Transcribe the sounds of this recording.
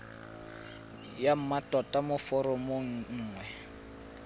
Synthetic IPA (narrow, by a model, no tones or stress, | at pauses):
jam̩matʼɔtʼamʊfɔɾɔmoŋ̩ŋ̩ːŋwɛ